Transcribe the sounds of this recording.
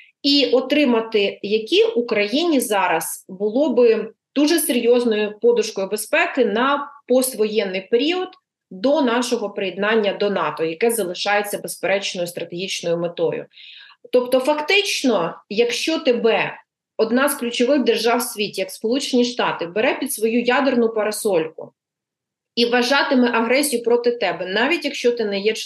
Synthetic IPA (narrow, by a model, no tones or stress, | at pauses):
iʔɔt̪ɾɪmɐt̪ɪjɐkʲiʔukɾɐjinʲizɑɾɐz̥bʊlˠɔbɪd̪̥uʒɛseɾʲjɔznɔjʊpɔd̪ʊʃkɔjʊbespɛkɪnɐpɔst̪ʋɔjɛnːɪjpeɾʲiɔd̪ | d̪ɔnɑʃɔɦɔpɾejɪd̪nɑnʲːɐd̪ɔnɑt̪ɔjɐkɛzɐlˠɪʃɑjet͡sʲːɐbespeɾɛt͡ʃnɔjʊst̪ɾɐt̪eɦʲit͡ʃnɔjʊmet̪ɔjʊ̰t̪ɔpt̪ɔfɐkt̪ɪt͡ʃnɔjɐkʃt͡ʃɔt̪ebɛ | ɔd̪nɑzklʲʊt͡ʃɔʋɪɣd̪erʒɑwsʲʋʲitʲjɐkspɔlˠut͡ʃenʲiʃt̪ɑt̪ɪbeɾɛpʲid̪sʋɔjujɑd̪ernʊpɐɾɐsɔlʲkʊ̰ | iʋɐʒɑt̪ɪmɛʔɐɦɾɛsʲijʊpɾɔt̪ɪt̪ɛbɛnɑʋʲitʲjɐkʃt͡ʃɔt̪ɪnɛjɛ